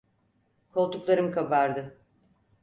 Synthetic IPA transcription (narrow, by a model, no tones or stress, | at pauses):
kʰo̞lˠt̪uklˠaɾɯmkʰabaɾd̪ɯ